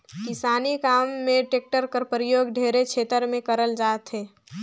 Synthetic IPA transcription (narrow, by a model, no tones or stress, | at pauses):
kɪsaːnikaːmːẽʈeːk̚ʈəɾkəɾpəɾijoːɡɖʱeːɾet͡ʃʰeːt̪əɾmẽkəɾəld͡ʒaːt̪ɦeː